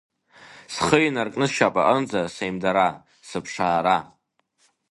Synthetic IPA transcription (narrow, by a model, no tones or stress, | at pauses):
sχəjnarkʼnɨsʃapʼa̰ʔənd͡zasejmdaɾa | sɨpʰʂaːɾa